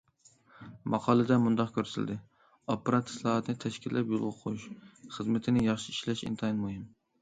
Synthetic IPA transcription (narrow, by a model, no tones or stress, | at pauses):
mɑqʰɑːlˠɨd̪ɛmund̪ɑqkʲʰøɾsɪ̰ld̪ɪ | opːɨɾɑt̪ʰːsˠɑɑt̪ʰɨnɪt̪ʰɛʃkʲilːɛpjolˠʁʊqʰojuʃχəzmɪt̪ʰɪnɪjɑχʃiiʃlɛʃḭnt̪ʰɑinmuɦɨm